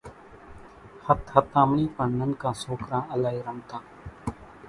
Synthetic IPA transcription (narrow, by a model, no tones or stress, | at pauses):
hət̪hət̪ãːmniːpəɳnənkãːsoːkɾãːəlaːɦiːɾəmt̪ãː